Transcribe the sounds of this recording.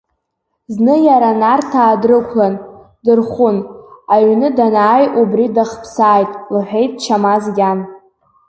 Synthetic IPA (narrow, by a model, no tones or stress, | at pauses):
znɨjaɾanartʰaːdrɨkʷʰlan | dɨrχʷʊnaɥnɨdanaːjubridaχpʰsaːjtʼlɨħʷᶣejtʼt͡ʃʰamazɡʲan